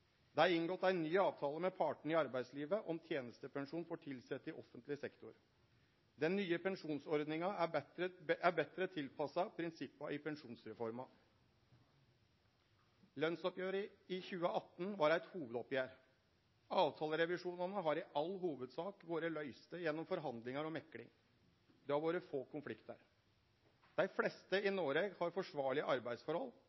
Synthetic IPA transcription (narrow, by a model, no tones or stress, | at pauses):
d̪ɛæɪnɡɔt̪ːæɪnyːɑːʋt̪ʰɑːləmɛpʰɑːʈɳ̩ɪɑɾbæɪd̪sliːʋəʔɔmt̪ʰjeːnəst̪əpɛŋʂuːnfɔʈʰɪlsɛt̪ːɪʔɔfənt̪lɪsɛkt̪ʊɾ | d̪ɛnːyːəpʰɛŋʂuːnsɔɾd̪nɪŋɑæbɛt̪ɾəʔæbɛt̪ɾət̪ʰɪlpʰɑsɑpʰɾɪnsɪpːɑʔɪpʰɛnʂuːnsɾɛfɔɾmɑ | lœnsɔpjøːɾəɪçʉːəʔɑt̪ːn̩ʋɑːɾæɪt̪huːʋəd̪ɔpjæːɾ | ɑːʋt̪ʰɑːləɾɛʋɪʂuːnɑnəɦɑɾɪʔɑlːɦuːʋəd̪sɑːkʋoːɾəlœʏst̪əjɛnːɔmfɔɾɦɑnd̪lɪŋɑɾɔmɛkːlɪ̰ŋ | d̪ɛhɑɾʋoːɾəfoːkʊnflɪkt̪ə̰ɾ | d̪̥æɪflɛst̪əɪnoːɾeɡhɑɾfɔʂʋɑːɭɪəʔɑɾbæɪd̪sfɔɾhɔl